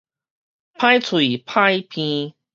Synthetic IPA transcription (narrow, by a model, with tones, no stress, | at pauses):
pʰã˦jt͡sʰwu˨i˨i˨pʰã˦jpʰĩ˧